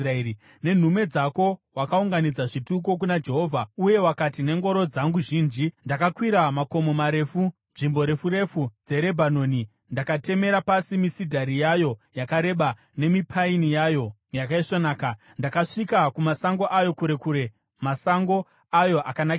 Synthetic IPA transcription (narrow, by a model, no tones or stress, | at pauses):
rei | ne̞n̤ume̞d͡zako̞wakauŋɡanid͡zaʐituk̬o̞k̬unad͡ʒe̞ɦovʱauje̞wakatine̞ŋɡo̞ɾo̞d͡zaŋɡuʒiːnd͡ʒindakakwiɾamako̞momaɾe̞funʐimbo̞ɾe̞fuɾe̞fud͡ze̞ɾe̞bʱano̞ːni | ndakate̞me̞ɾapasimisidʱaɾijajo̞jakaɾe̞ɓa | ne̞mipʰainijajo̞ | jakaiʂonaːka | ndakaʂikakumasaŋɡo̞ʔajo̞kuɾe̞kuɾe̞ | masaŋɡo̞ | ajo̞ʔakanak